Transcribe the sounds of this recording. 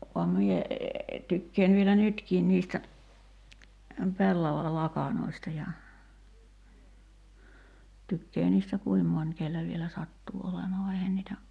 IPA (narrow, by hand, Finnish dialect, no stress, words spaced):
ʋɑm mie tykːeːn ʋielæ nytkiːn niːstæ pelːɑʋɑlɑkɑnoistɑ jɑ tykːeː niːstæ kuim monʲ kelːæ ʋielæ sɑtːuː olemɑː ʋɑ eihæn niːtæ